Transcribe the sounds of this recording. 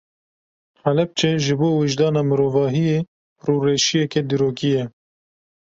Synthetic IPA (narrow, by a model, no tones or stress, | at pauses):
halɛp̚t͡ʃeʒɨboːwɪʒd̪ɑːnɑːmɨɾoːvɑːɦijeː | ruːreːʃijɛkɛd̪iɾoːkijɛ